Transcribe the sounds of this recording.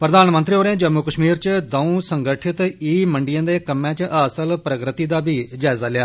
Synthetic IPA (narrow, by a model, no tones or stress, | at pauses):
pɾəd̪aːnmənt̪ɾiːɦoːɾeãːd͡ʒəmːuːkəʃmiːɾt͡ʃd̪əũːsəŋɡəʈʰɪt̪iːməɳɖijãːd̪eːkəmãːt͡ʃʔəsəlpɾəkɾɪt̪iːd̪aːbiːd͡ʒaːɪzaːlɪaː